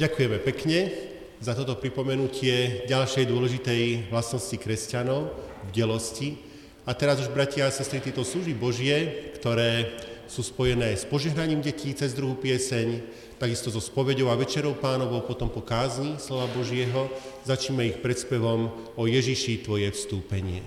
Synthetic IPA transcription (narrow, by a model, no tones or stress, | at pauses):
ɟakujɛmɛpɛkɲɛ | zat̪ɔt̪ɔpɾipɔmɛnucʰɪɛɟalʃɛjd̪ʊɔlɛʒit̪ɛjlasnɔscikɾɛscanɔʊvɟɛlɔsci | at̪ɛɾazuʒbɾacɪaasɛst̪ɾit̪jɛt̪ɔsluʒibɔʒɪɛkt̪ɔɾɛːsuːspɔjɛnɛːspɔʒɛɦnaɲiːmɟɛcʰiːt͡sɛzd̪ɾuɦupɪɛsɛɲ | t̪aɡist̪ɔzɔspɔʋɛɟɔʊaʋɛt͡ʃɛɾɔʊpaːnɔʋɔʊpɔt̪ɔmpɔkaːzɲislɔʋabɔʒɪɛɦɔzat͡ʃɲimɛixpɾɛt̪spɛʋɔm | ɔjɛʒiʃit̪ʋɔjɛfst̪uːpɛɲɪɛ